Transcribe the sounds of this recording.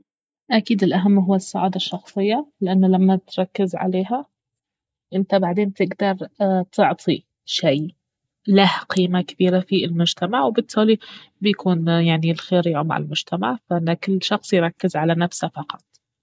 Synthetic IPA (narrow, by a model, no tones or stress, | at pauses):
ʔakiːd̪ɪlʔaɦamːɦʊwːasːaʕaːd̪aʃːɑxsˤɨjːalɪʔanːlamːat̪ɾˤɑkːɪzʕa̰leːɦa | ʔɪnt̪abaʕd̪eːnt̪ɪɡd̪ɑɾˤt̪ɪʕt̪ˤʰi | ʃaː | lahqiːmakɪbiːɾafilmʊd͡ʒt̪ʰamaʕwbɪt̪ʰːaːli | bɪjkʰuːnjaʕnilxeːɾjʕʊmʕɪ̰lmʊd͡ʒt̪ʰamaʕfanakɪlːʃɑxsˤjɾˤɑkːɪzʕalanafsafɑqɑt̪̚ˤ